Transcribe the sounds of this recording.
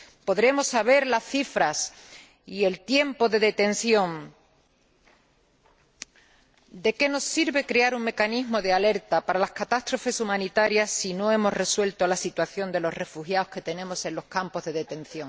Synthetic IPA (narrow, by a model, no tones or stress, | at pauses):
po̞ðɾe̞mo̞sːaβ̞e̞ɾlasθifɾas | ie̞lt̪je̞mpo̞ðe̞ðe̞t̪e̞n̟θjõ̞ŋ | d̪e̞ke̞no̞sːiɾβe̞kɾe̞aɾuŋme̞kanizmo̞ðeale̞ɾt̪apaɾalahkat̪ast̪ɾo̞fe̞sumãnit̪aɾjasːino̞e̞mo̞sre̞swe̞lt̪oalasit̪waθjo̞nd̪e̞lo̞rre̞fuxjao̞hske̞t̪e̞nẽ̞mo̞se̞nlo̞hkampo̞zðe̞ðe̞t̪ẽ̞nθjõ̞ŋ